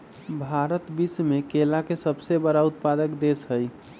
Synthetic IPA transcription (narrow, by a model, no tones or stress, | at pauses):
bʱaɾət̪bismekelakesəbsebəɾaʊt̪pad̪əkd̪esɦəj